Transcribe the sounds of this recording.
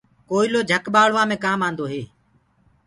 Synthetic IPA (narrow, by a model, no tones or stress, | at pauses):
koːiloːd͡ʒʱəkɓaːɭʋãːmẽːkãːmaːnd̪oːɦeː